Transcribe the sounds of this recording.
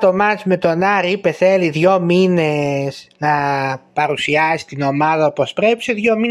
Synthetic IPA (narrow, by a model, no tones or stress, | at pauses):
t̪o̞mɐsme̞t̪o̞nɐɾipe̞θe̞liðʝo̞mine̞snɐpɐɾusiɐsi̥t̪ino̞mɐðɐopo̞spɾe̞pi̥seðʝo̞mi